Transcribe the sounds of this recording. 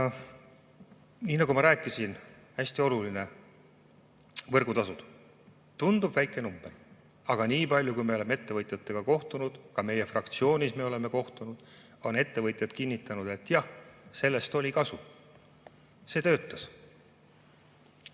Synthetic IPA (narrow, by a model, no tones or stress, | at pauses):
niːnɑɡumɑɾæːkːˑisin | hæsʲt̪io̞luline̞ | vɤrɡ̥ut̪ɑsud̪ | t̪und̪̥ub̥væjkːˑe̞numb̥e̞r | ɑɡ̥ɑniːpɑlʲjukujme̞o̞le̞mee̞t̪ːe̞vɤt̪ʲˑjɑt̪ːˑe̞ɡ̥ɑko̞ht̪unud̪̥kɑme̞je̞frɑkt̪sio̞ːnʲisme̞o̞le̞me̞ko̞ht̪unud̪̥ | o̞ne̞t̪ːe̞vɤt̪ʲˑjɑd̪kinʲːit̪ːˑɑnud̪̥e̞t̪ːˑjɑhse̞lːe̞st̪o̞lʲikɑsu | se̞ːt̪øːt̪ːˑɑs